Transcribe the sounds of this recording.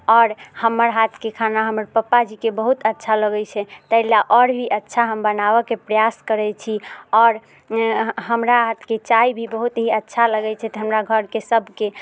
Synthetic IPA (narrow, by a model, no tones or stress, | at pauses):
ɔɾhəmːəɾɦat̪ʰkekʰanaɦəməɾpəpːad͡ʒikebəɦut̪ətːʃʰaləɡɛt͡ʃʰɛt̪əɦlaʔɔɾbʱiʔətːʃʰaɦəmbənaβəkepɾəjaskəɾɛt͡ʃʰiɔːɾ | ɦəmɾaɦat̪ʰket͡ʃaibʱibəɦut̪ɦiətːʃʰaləɡɛt͡ʃʰɛt̪ɔɦəmɾaɡʱəɾkesəbʱke